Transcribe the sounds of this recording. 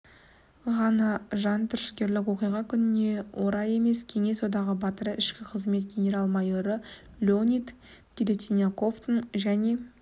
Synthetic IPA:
ʁɑnɑʒɑnt̪ʰʏɾʃɪ̥ɡʲe̞ɾlɪkwo̞qijʁɑkʲʰʏnɪne̞wʔo̞ɾɑje̞me̞skʲʰe̞ŋe̞so̞d̪ɑʁəbɑt̪əɾəʔɪʃkʲɪqʰəzme̞t̪ɡʲenʲe̞ɾɑlˠmɑjo̞ɾə | lʲonʲit̪ | t̪ilʲet̪ʲʰinako̞ft̪ənʒæne̞

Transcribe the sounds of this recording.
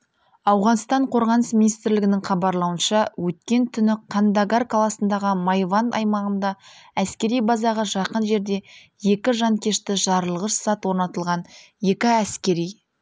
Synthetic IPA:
ɑwʁɑnst̪ɑɴqʰo̞ɾʁɑnəsmʲinijst̪ɾlɪɡʲɪnɪŋχɑbɑɾlˠɑwənʃɑwɵt̪kʲe̞nt̪ʰʏnɪqʰɑnd̪aɡarkʰalˠɑsənd̪ɑʁəmɑjvɑnɑ̰jmɑʁənd̪ɑæskʲe̞ɾijbɑzɑʁəʒɑqənʒe̞ɾd̪e̞ | je̞kʲɪʒɑŋkʲʰe̞ʃt̪ɪʒɑɾəlˠəʁəʃsɑt̪wo̞ɾnɑt̪əlˠʁɑn | je̞kʲɪæskʲe̞ɾij

